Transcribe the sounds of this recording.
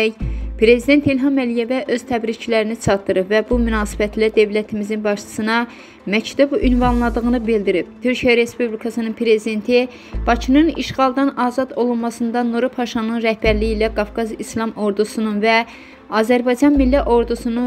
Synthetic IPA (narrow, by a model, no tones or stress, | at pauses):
jpʰɾe̞zid̪e̞nt̪ilɦɑmælije̞væʔø̞z̥t̪ʰæbɾit͡ʃʰilæɾinit͡ʃʰɑt̪ːɯɾɯpvæbumynɑːsi̥bæt̪ʰlæd̪ø̞vlæt̪ʰimizinbɑʃt͡ʃʰɯ̥sɯnɑ | mæct̪ʰubynvɑnlˠɑd̪ɯɣɯnɯbild̪iɾip̚t̪ʰyɾcʰijæɾe̞spublikʰɑsɯnɯnpʰɾe̞zid̪e̞nt̪ʰi | b̥ɑcʰinɯnḭʃʁɑlˠd̪ɑnɑːzɑd̪o̞lˠunmɑsɯnd̪ɑnuɾupʰɑʃɑnɯnɾæhbæɾlijilæɡɑfɡɑzislˠɑmo̞ɾd̪usununvæ | ɑːzæɾbɑjd͡ʒɑnmilːæʔo̞ɾd̪usunu